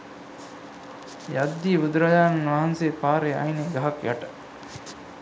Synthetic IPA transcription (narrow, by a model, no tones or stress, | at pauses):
jad̪ːiːbud̪ɾɐjaːnʋɐɦɐnseːpaːɾeɐ̰ineɡɐɦɐkja̰ʈə̥